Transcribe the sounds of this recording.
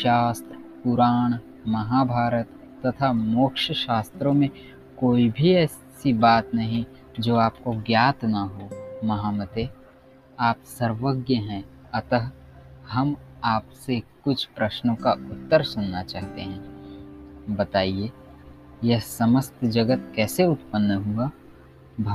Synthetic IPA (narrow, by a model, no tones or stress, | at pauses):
ʃaːst̪ɾ | pʊɾaːɳ̃ | mɐɦaːbʱaːɾət̪ː | ɐt̪ʰamoːkʃəʃaːst̪ɾõmẽ | koːibʱiɛː | sibaːt̪nɐɦĩ | d͡ʒoːaːpkoɡjaːt̪naɦomɐɦaːmət̪e | aːp̚sɐɾʋəɡjəɦɛ̃ | ɐt̪əɦ | ɦɐmaːpsekʊt͡ʃʰpɾɐʃnõkaʊt̪ːəɾsʊnːat͡ʃaːɦt̪eɦɛ̃ː | bɐt̪aːieː | jɐɦsɐməst̪d͡ʒɐɡət̪kɛːseʊt̪pənːəɦua | bʱə